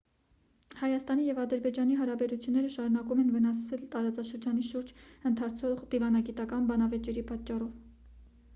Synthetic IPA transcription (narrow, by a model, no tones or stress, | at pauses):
hɑjɑst̪ɑnijɛvɑd̪əɾbɛd͡ʒɑniɦɑɾɑbɛɾut͡sʰjunːɛɾəʃɑɾunɑkumɛnvənɑsɛlt̪ɑɾɑt͡sɑʃəɾd͡ʒɑniʃuɾd͡ʒənt̪ʰɑɾt͡sʰɔʁd̪ivɑnɑɡit̪ɑkɑnbɑnɑvɛt͡ʃɛɾipɑt͡ʃːɑrɔv